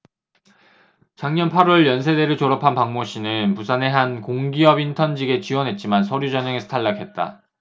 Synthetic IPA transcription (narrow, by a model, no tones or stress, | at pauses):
t͡ɕaŋɲʌnpʰaɾwʌɭjʌns̬ʰe̞deɾɯɭt͡ɕoɾʌpʰanpaŋmoɕ͈ʰinɯnpusʰane̞ɦankoŋɡiʌbintʰʌnd͡ʑiɡe̞t͡ɕiwʌnɦe̞t̚t͡ɕ͈imansʰʌɾjud͡ʑʌɲʌŋesʰtʰaɭːakʰe̞t̚t͈a̰